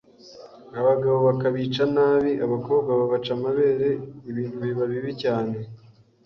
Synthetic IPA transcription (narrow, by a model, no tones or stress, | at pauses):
aβaɡaβo̞βakaβiːt͡ʃanaːβiʔaβako̞ːbɡaβaβat͡ʃamaβe̞ːɾe̞iβiːnuβiβaβiβicaːne̞